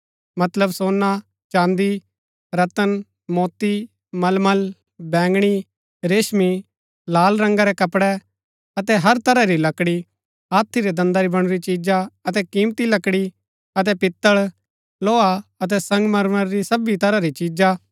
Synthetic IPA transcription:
mɐt̪ləbsoːnːa | t͡ʃãːnd̪i | ɾɐt̪ən | mɔːt̪i | mɐlməl | bɛ̃ːŋɡɽ̃i | ɾeːʃmi | laːlɾɐ̃ŋɡaɾɛkɐpɽɛ | ɐt̪ɛɦɐɾt̪ɐɾaɾilɐkɽi | ɦaːt̪ʰːiɾɛd̪ɐ̃nd̪aɾibɐɽ̃ʊɾit͡ʃiːd͡ʒaɐt̪ɛkĩːmt̪ilɐkɽi | ɐt̪̬ɛpɪt̪ːəɭ | loːaɐt̪̬ɛsɐ̃ŋɡmɐɾməɾɾisɐbit̪ɐɾaɾit͡ʃiːd͡ʒa

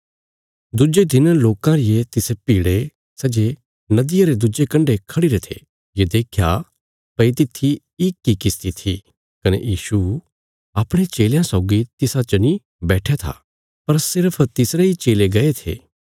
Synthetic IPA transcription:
d̪ʊd͡ʒed̪ɪnloːkãɾɪjet̪ɪsepiːɽe | sɐd͡ʒe | nɐd̪ɪjaɾed̪ʊd͡ʒekɐ̃ɳɖekʰɐɽiɾet̪ʰḛ | jed̪eːkʰja | pɐit̪ɪt̪ʰːi | ɪkːikɪst̪it̪ʰi | kɐnḛjiːʃu | ɐːpɽ̃et͡ʃeːljãsɔːʊɡit̪ɪsãt͡ʃɐni | bɛːʈʰeat̪ʰa̰ | pɐɾsɪɾpʰt̪ɪsɾeit͡ʃeːleɡɐet̪ʰḛː

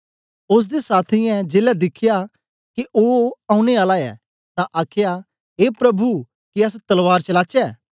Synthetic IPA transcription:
ʊs̬d̪esaːt̪ʰĩjɛ̃d͡ʒeːlɛd̪ɪkʰːɪja | kiʔoːãːũñeaːlaɛ̰ː | t̪ãʔaːkʰja | ɦeːpɾɐbu | kiɐs̬t̪ɐlʋaːɾt͡ʃɐlaːt͡ʃɛː

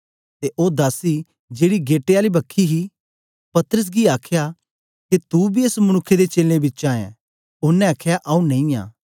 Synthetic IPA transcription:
t̪eʔoːd̪aːsi | d͡ʒeːɽiɡeːʈeaːlibɐkʰːiɦi | pɐt̪əɾəs̬ɡiaːkʰja | ket̪ubʱieːsmɐñʊkʰːed̪et͡ʃeːlẽbɪtːt͡ʃãːjḛ̃ | ʊnːɛ̃ɐkʰjaʔɐũnɐ̃ĩjã̰ː

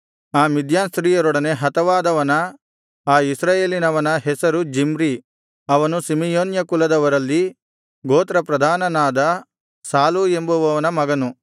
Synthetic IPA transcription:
aːmid̪ʱjaːnst̪ɾiːjɐɾɔɽɐne̞ɦɐt̪ɐʋaːd̪ɐʋɐnɐ | aːisɾaːjeːlinɐʋɐnɐɦɛsɐɾud͡ʒimɾi | ɐʋɐnusimijoːnjɐkulɐd̪ɐʋɐɾɐlːi | ɡoːt̪ɾɐpɾɐd̪ʱaːnɐnaːd̪ɐ | saːluembuʋɐʋɐnɐmɐɡɐnu

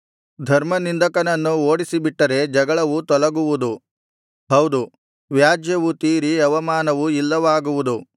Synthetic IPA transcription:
d̪ʱɐɾmɐnind̪ɐkɐnɐnːuoːɽisibiʈːɐɾe̞d͡ʒɐɡɐɭɐʋut̪ɔlɐɡuʋud̪u | ɦɐwd̪u | ʋjaːd͡ʒjɐʋut̪iːɾiɐʋɐmaːnɐʋuilːɐʋaːɡuʋud̪u

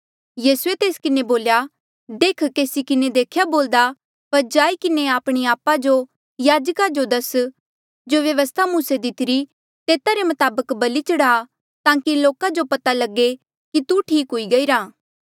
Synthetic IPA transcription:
jiːsuet̪eːskɪneboːlja | d̪eːkʰkeːsikɪned̪eːkʰjaboːld̪a | pɐɾd͡ʒaːikɪneaːpɽ̃iaːpad͡ʒo | jaːd͡ʒkad͡ʒod̪ɐs | d͡ʒoʋjɐʋəst̪ʰamũsed̪ɪt̪ɪɾi | t̪eːt̪aɾemɐt̪aːbəkbɐlit͡ʃɐɽaː | t̪ãːkiloːkad͡ʒopɐt̪alɐɡe | kit̪uʈʰiːkɦʊiɡɐiːɾaː

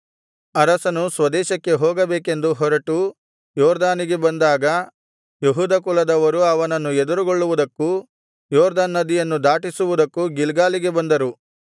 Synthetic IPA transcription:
ɐɾɐsɐnusʋɐd̪ɛːʃɐkːe̞ɦoːɡɐbeːke̞nd̪uɦɔɾɐʈu | jɔːɾd̪aːniɡe̞bɐnd̪aːɡɐ | jeɦuːd̪ɐkulɐd̪ɐʋɐɾuɐʋɐnɐnːued̪uɾuɡoɭːuʋud̪ɐkːu | jɔːɾd̪aːnːɐd̪ijɐnːud̪aːʈisuʋud̪ɐkːuɡilɡaːliɡe̞bɐnd̪ɐɾu

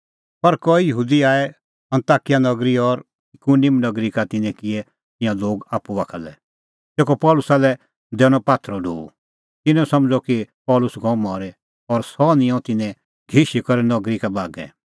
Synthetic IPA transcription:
pɐɾkɔijəɦuːd̪iaːɛ | ɐ̃nt̪aːkɪjanɐɡɾiɔɾ | ɪkunɪmnɐɡɾikat̪ɪnɛ̃kɪɛ | t̪ɪ̃jãloːɡaːpːuʋaːkʰa̰lɛ̰ | t̪eːkɔpɔːlʊsaːlɛ | d̪ɛːɽ̃ɔpaːt̪ʰɾɔɖʱo̰ːu | t̪ɪnɛ̃sɐmd͡ʒɔkipɔːlʊsɡɔ̃ːmɔːɾɛ | ɔɾsɔːnɪ̃ɔ̃t̪ɪnɛ̃ | ɡʱiʃikɔɾɛnɐɡɾikabaːɡɛ̰̃

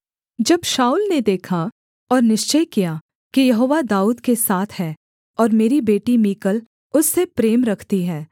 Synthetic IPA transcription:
d͡ʒɐbʃaːuːlned̪eːkʰa | ɔːɾnɪʃt͡ʃəjkija | kijɐɦoːʋad̪aːuːd̪kesaːt̪ʰhɛː | ɔːɾmeːɾibeːʈimiːkəl | ʊsːepɾeːmɾɐkʰt̪iɦɛː

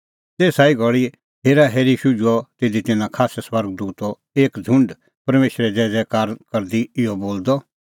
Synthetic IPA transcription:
t̪eːsaːiɡʱɔɭi | ɦeːɾaɦeːɾiʃʊd͡ʒuɔt̪ɪːd̪it̪ɪnãkʰaːsɛswɐɾɡd̪uːt̪ɔ | eːkd͡zʱʊ̃ɳɖ | pɐɾmeːʃɾɛd͡zɛːd͡zɛkaːɾkɐɾd̪iɪjɔboːld̪ɔ

